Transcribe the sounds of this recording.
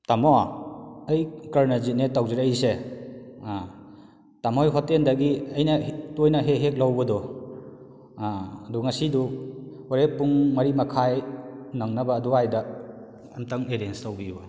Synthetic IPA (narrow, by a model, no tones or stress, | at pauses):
tamɔaɐjkɐɾnazit̚netawziɾajse | tamɔjɦɔtendɐɡiɐjnɐtojnɐɦeɦek̚lawbɐdɔ | ɐduŋɐsiduoɾepːuŋmɐɾimɐkʰajnaŋnɐbaːduajdɐ | ɐmtʰɐŋeɾenstawbiba